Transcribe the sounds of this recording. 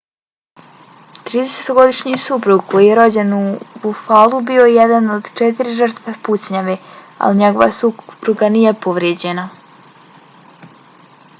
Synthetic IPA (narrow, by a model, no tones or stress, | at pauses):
t̪ɾiːd̪eset̪oɡo̞d̪iʃɲisupɾuɡko̞jijeɾo̞d͡ʑenubufalˠubio̞jed̪anod̪t͡ʃet̪iɾiʒər̩t̪ʋepusɲaʋe | a̰liɲeɡo̞ʋa̰supɾuɡanijepo̞ʋɾjeːd͡ʑe̞na